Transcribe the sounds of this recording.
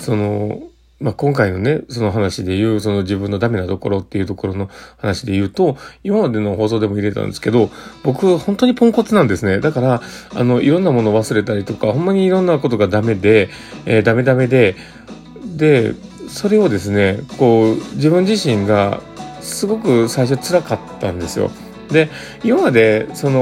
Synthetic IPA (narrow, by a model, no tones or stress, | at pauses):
so̞no̞ | makõ̞ŋkaino̞ne̞so̞no̞ɦanaɕid̪e̞jɯ̟ːso̞no̞d͡ʑibɯ̟̃nːo̞d̪ame̞nat̪o̞ko̞̰ɾo̞t̪ːe̞iɯ̟t̪o̞ko̞ɾo̞no̞hanaɕid̪e̞jɯ̟ːt̪o̞imamad̪e̞no̞ɦo̞ːso̞ːd̪e̞mo̞iɾe̞t̪ã̰nd̪e̞sɨ̥ke̞d̪o̞bo̞kɯ̟hõ̞nt̪o̞ɲ̟ipõ̞ŋko̞t͡sɨnãnd̪e̞sɨne̞d̪akaɾaa̰no̞ʔiɾõ̞nːamo̞noːβasɨɾe̞t̪aɾʲit̪o̞kaho̞mːaɲ̟iːɾõ̞nːako̞t̪o̞ɡad̪ame̞d̪e̞ː | d̪ame̞d̪ame̞d̪e̞ | d̪e̞so̞ɾe̞od̪e̞sɨne̞ko̞ːd͡ʑibɯ̟̃ɲ̟d͡ʑiɕĩŋɡa | sɨɡo̞kɯ̟saiɕ̬o̞t͡sɨɾakat̪ːã̰nd̪e̞sɨjo̞̰ | d̪e̞ | imamad̪e̞so̞no